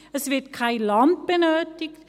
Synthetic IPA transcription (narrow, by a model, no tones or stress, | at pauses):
əsvɪɐt̚kʰaɪlɑnt̚b̥ənøːtɪkt